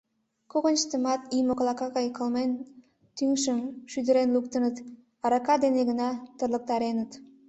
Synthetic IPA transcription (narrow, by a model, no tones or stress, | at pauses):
koɣənt͡ʃt̪əmɑt̪imoklˠɑkɑɣɑjkəlmen | t̪yŋʃəmʃyd̪əɾenluk̚t̪ənət̪ | ɑɾɑkɑd̪eneɣənɑt̪ərlək̚t̪ɑɾenət̪